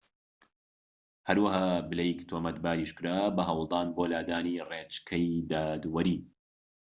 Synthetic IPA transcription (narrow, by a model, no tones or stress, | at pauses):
hɐɾwɐɦaːbɨlɐjkt̪ʰoːmɐt̪̚baːɾiːʃkɨɾaːbɐɦɐwlˠd̪ɑːnboːlaːd̪aːniːreːt͡ʃkʰɐjd̪aːd̪wɐɾiː